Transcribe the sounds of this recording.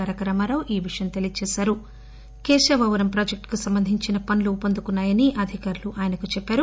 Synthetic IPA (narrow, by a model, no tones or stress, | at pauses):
aːɾɐkɐɾɐmɐɾɐwʔiːʋiʂɐjɐmt̪elijɐt͡ʃɛːsaːɾu | keːʃɐʋɐʋɐɾɐmpɾaːd͡ʒek̚ʈkusɐmbɐnd̪ʱiɲt͡ʃinɐpɐnluːpɐnd̪ukunːaːjɐniʔɐd̪ʱikaːɾuluʔaːjɐnɐkut͡ʃɛpːaːɾu